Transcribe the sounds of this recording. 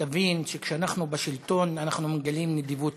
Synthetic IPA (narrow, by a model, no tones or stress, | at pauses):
avinʃe̞kʃeanaχnubaʃilt̪o̞nanaχnumeɡalimned̪ivut